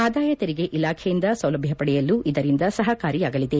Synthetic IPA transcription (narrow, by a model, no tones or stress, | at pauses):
aːd̪aːjɐt̪eɾiɡe̞ʔilaːkʰejind̪ɐsɐwlɐbʱjɐpɐɽɛjɐlːuid̪ɐɾind̪ɐsɐɦɐkaːɾijaːɡɐlid̪e̞